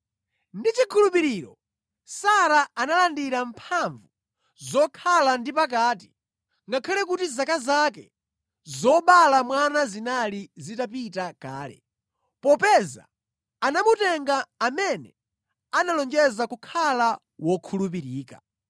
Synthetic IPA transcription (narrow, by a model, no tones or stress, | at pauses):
ndit͡ʃikʰulupiɾiɾɔ | saɾaanalandiɾampʰaɱvu | zɔkʰalandipak̬aːti̥ | ŋɡakʰalɛk̬utizakazak̬ɛ | zɔɓalamwanazinalizitapitakaːlɛ̰ | pɔpɛza̰ː | namutɛŋɡaːmɛnɛ̰ | analɔŋd͡ʒɛzakukʰala | wɔkʰulup̬iɾiːka